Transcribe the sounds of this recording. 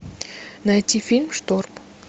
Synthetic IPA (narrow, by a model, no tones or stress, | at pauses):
nɐjt̪ʲifʲilʲmʂt̪orp